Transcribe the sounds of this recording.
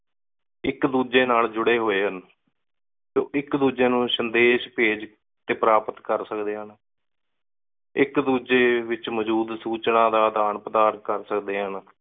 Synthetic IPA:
ɪkd̪uːd͡ʒeːnaːld͡ʒʊɽeːɦoːeːɦən | so̰ːʔɪkd̪uːd͡ʒeːnũːsənd̪eːʃpeːd͡ʒ | t̪eːpəɾaːpət̪kəɾsəkd̪eːɦən | ɪkd̪uːd͡ʒeːʋɪt͡ʃməd͡ʒuːd̪suːt͡ʃnãːd̪aːd̪aːɳpəd̪aːɾkəɾsəkd̪eːɦən

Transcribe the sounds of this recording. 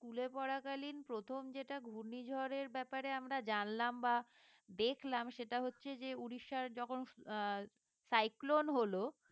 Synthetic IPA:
skulepɔɽakalinpɾot̪ʰomd͡ʑeʈaɡʱuɾnid͡ʑʱɔɾeɾbɛpaɾeamɾad͡ʑanlamba | d̪ekʰlamʃeʈaɦotːɕʰed͡ʑeuɽiʃːaɾd͡ʑɔkʰon | sajklonɦolo

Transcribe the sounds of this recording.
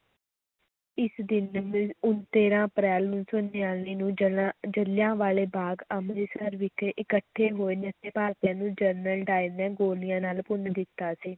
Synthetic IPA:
ɪsd̪ɪnmʊnt̪eːɾãːəpɾɛːlnũːsʊnːeaːlniːnũːd͡ʒəlɪjãːʋaːleːbaːɡamɾeːsəɾʋɪkʔɪkəʈʰːeːɦoːinət̪eːpaːɾt̪jãːnũːd͡ʒəɾnəlɖaːimɛ̃ːɡoːlɪjãːnaːlpʊnd̪ɪt̪ːaːsiː

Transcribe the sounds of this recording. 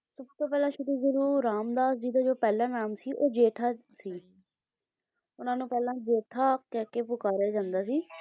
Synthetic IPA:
səbt̪oːpɛːlãːʃʊd̪iːzəɾuːɾaːmd̪aːd͡ʒiːd̪aːd͡ʒoːpɛːlãːnaːmsiːʔoːd͡ʒeːʈʰaːsiː | ʊnãːnũːpɛːlãːd͡ʒeːʈʰaːkɛːkeːpʊkaːɾaːd͡ʒãːnd̪aːsiː

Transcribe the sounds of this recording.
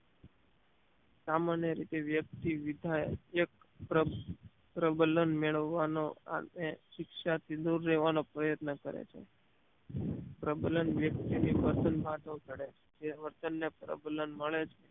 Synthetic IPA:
samanjəɾit̪eʋjək̚t̪iʋid̪ʱaek | pɾə | pɾəbələnmeɭəʋːanoa̰eʃɪkʃat̪ʰid̪uɾːeʋanopɾəjət̪nəkəɾḛt͡ʃʰḛ | pɾəbələnʋjək̚t̪iniʋəɾt̪ənbʱãʈ̪ʰə̃t̪əɽet͡ʃʰe̥d͡ʒeʋəɾt̪ənːepɾə̰bələnməɭet͡ʃʰe

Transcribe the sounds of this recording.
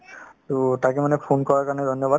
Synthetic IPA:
tutakɛmanɛpʰonkɔɹakaɹnɛd̪ʱɔnjɔba

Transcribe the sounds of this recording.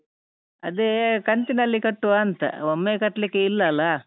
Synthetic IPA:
ɐd̪ekɐnt̪inɐlːikɐʈːuʋaːɐnt̪ɐ̰omːekɐʈːɐlikːeilːɐːlːa

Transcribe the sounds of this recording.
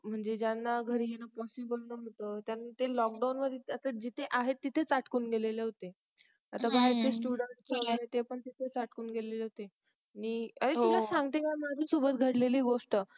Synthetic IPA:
m̤əɳd͡zed͡ʑanːaɡʱəɾiɦenapɔsibəlnəɦot̪ət̪janːat̪elɔk̚ɖawnʋəd̪ʱeat̪ad͡ʑit̪ʰeʔaɦet̪ːit̪ʰet͡saʈkuːnɡeleleɦot̪e | at̪abaɦəɾt͡sesʈuɽəɳʈ̚kʰəlaet̪epəɳt̪it̪ʰet͡saʈkuːnɡeleleɦot̪e | aniaɾeulasãŋɡt̪ekamad͡zʱisobət̪̚ɡʱəɽleliːɡoʂʈə

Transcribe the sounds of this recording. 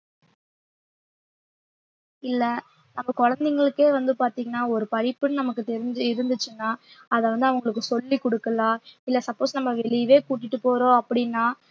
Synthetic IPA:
ɪlːɐ | nɐmːɐkɔɻɐnd̪ɛŋɡɐɭɯkːeːʋɐnd̪ɯpaːɾt̪iːŋɡɐnːaːɔɾɯpɐɻɪpːɯnnɐmɐkːɯt̪ɛɾɪɲd͡ʒɯɪɾɯnd̪ɯt͡ʃːɯnːaːɐðɐʋɐnd̪ɯɐʋɐŋɡɐɭɯkːɯsɔlːikɔɽɯkːɐlãːɪlːɐsɐpːoːsnɐmːɐʋɛɭɪʋeːkuːʈ̬ːɪʈːɯpːoːɾõːɐpːɐɽɪnːaː

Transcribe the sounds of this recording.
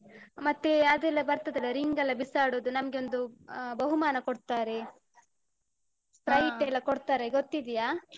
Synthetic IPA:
mɐt̪ːeɐd̪ɛlːɐbɐɾt̪ɐd̪ɐlːɐɾiŋɡɐlːɐbisaːɽoːd̪unɐmɐɡeo̞nd̪ubɐɦumaːnɐkoɽt̪aːɾe̞ | pɾɐjʈɛlːɐkoɽt̪aːɾeɡot̪ːid̪ijaː

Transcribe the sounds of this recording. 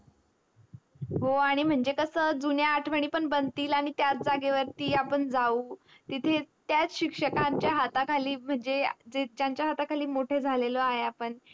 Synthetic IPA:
ɦoaɽ̃im̤əɳd͡zekəsəːd͡zunjaːʈʰʋəɳ̃iːpəɳbənt̪iːlaɽ̃it̪jat͡s̚d͡zaɡeʋəɾt̪iːapəɳd͡zauː | t̪it̪ʰet̪jat͡sɕikʂəkaɲt͡ɕjaɦat̪akʰaliːm̤əɳd͡zed͡zed͡ʑjaɲt͡ɕjaɦat̪akʰaliːmoʈʰed͡zʱalelɔaɦeapəɳ

